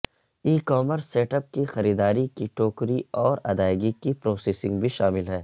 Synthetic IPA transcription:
iːkɔːməɾsːeːʈəp̚kixɐɾiːd̪aːɾikiʈoːkɾiɔːɾɐ̰d̪aːɪɡikipɾoːseːsɪ̃ŋɡbʱiʃaːmɪlɦɛː

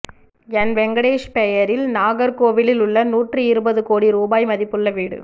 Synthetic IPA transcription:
ɛnʋɛŋɡɐɽeːʂpɛjɐɾɪlnaːɣɐɾkoːʋɪlɪlʊɭːɐnuːʈrɯɪɾɯbɐðɯkoːɽiɾuːbaːjmɐðɪpːɯɭːɐʋiːɽɯ̰

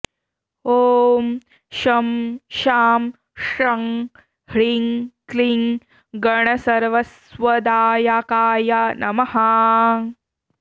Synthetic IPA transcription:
oːm | ʃɐmʃaːm | ʃɐŋ | hɭiŋkliŋ | ɡɐɳɐsɐɾʋɐs | ʋɐd̪aːjakaːjanɐmɐha

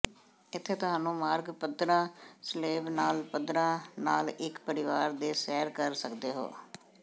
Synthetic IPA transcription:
ɪt̪ʰːeːt̪ʊɦãːnũːmaːɾɡpəd̪ɾãːsleːʋnaːlpəd̪ɾãːnaːlɪkpəɾɪʋaːɾd̪eːsɛːɾkəɾsəkd̪eːɦo̰ː

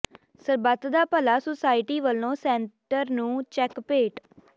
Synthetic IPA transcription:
səɾbət̪d̪aːpəlaːsosaːɪʈiːʋəlːõːsɛ̃ːɳʈəɾnũːt͡ʃɛkpeːʈ

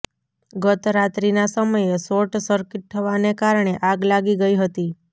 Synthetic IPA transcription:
ɡət̪ɾat̪ɾinasəməjesoʈsəɾkɪʈ̚t̪ʰəʋanekaɾɳ̃eʔaɡlaɡiɡəiɦət̪i

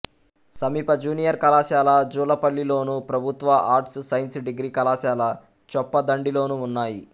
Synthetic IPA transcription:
sɐmiːpɐd͡ʒuːnijɐɾkɐlaːʃaːlɐd͡ʒuːlɐpɐlːiloːnupɾɐbʱut̪ʋɐʔaːɾʈssɐjnsɖiɡɾiːkɐlaːʃaːlɐ | t͡ʃɔpːɐd̪ɐɳɖilo̞ːnuːnːaːji

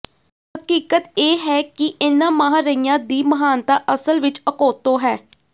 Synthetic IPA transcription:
həkiːkət̪eːɦɛːkɪʔɪnãːmãːɦɾəijãːd̪iːməɦaːnt̪aːʔəsəlʋɪt͡ʃəkoːt̪õːɦɛː

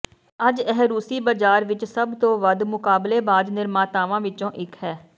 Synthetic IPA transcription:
əd͡ʒɛɦɾuːsiːbaːd͡ʒaːɾʋɪt͡ʃsəbt̪õːʋəd̪mʊkaːbleːbaːd̪nɪɾmaːt̪aːʋãːʋɪt͡ʃõːʔɪkhɛː

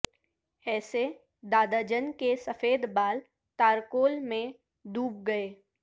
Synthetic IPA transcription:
ɛːse | d̪aːd̪ad͡ʒənkesəfeːd̪baːl | t̪aːɾkoːlmẽ | d̪uːb̚ɡɐeː

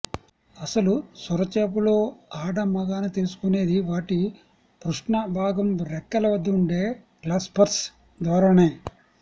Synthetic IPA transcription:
ɐsɐlusuɾɐt͡ʃeːp̬ulo̞ːaːɖɐmɐɡaːnit̪elusu̥kune̞ːd̪iʋaːʈi | pɾuʂʈɳɐbʱaːɡɐmɾɛkːɐlɐʋɐd̪ːɐuɳɖe̞ːklaːspɐɾs | d̪ʋaːɾaːneː

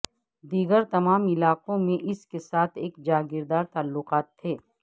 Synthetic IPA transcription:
d̪iːɡəɾt̪ɐmaːmɪlaːqõmẽʔɪskesaːt̪ʰeːkd͡ʒaːɡɪɾd̪aːɾt̪aːlːʊqaːt̪ʰːeː

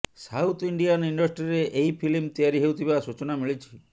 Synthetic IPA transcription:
sawt̪ʰiɳɖijaniɳɖɔsʈɾiɾeʔeɦipʰilmt̪ijaɾiɦewt̪ʰibasut͡ʃɔnamiɭit͡ʃʰi̥

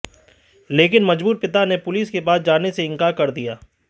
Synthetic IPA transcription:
leːkɪnmɐd͡ʒbuːɾpɪt̪anepʊliskebaːd̪̚d͡ʒaːneseɪ̃ŋkaːɾkɐɾd̪ijaː

